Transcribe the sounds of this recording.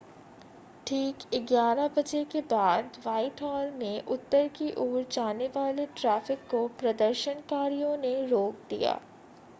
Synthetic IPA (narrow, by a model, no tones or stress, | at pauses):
ʈʰiːkɪɡjaːɾabɐd͡ʒekebaːd̪ʋaːɪʈɦɔːlmẽʔʊt̪ːəɾkiʔoːɾd͡ʒaːneʋaːleʈɾaːfɪkːopɾɐd̪əɾʃənkaːɾijõneɾoːk̚d̪ḭja̰ː